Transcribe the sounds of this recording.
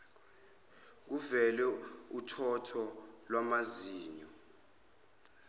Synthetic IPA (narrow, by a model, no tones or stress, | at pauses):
k̬uvɛlɛutʰɔtʰɔlwamaziːɲɔ